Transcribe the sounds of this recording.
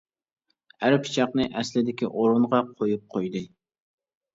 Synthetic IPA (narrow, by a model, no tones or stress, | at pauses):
æɾpʰi̥t͡ʃʰɑqnɨʔɛslɪd̪ɪkʲiʔoɾʊnʁɑqʰojup̚qʰojd̪ɨ